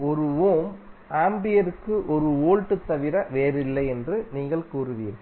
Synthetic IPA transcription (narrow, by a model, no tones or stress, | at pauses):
ɔɾɯoːmaːmbɪjɐɾɯkːɯʔɔɾɯoːɻʈːɯt̪ːɐʋɪɾɐʋeːɾɪlːɐɪɛndrɯniːŋɡɐɭkuːɾɯʋɪjɪɾ